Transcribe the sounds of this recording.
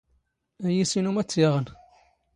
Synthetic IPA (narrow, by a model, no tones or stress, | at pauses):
æjisinumæt͡sːjeʁən